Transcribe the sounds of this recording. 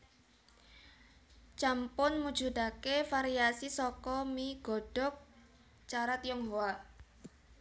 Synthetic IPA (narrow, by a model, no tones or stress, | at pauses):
t͡ʃampʊnmud̥ʒ̥ud̪akefaɾiasisɔkɔmiɡ̥ɔ̤ɖ̥ɔ̤k̚ | t͡ʃaɾat̪jɔŋɦoa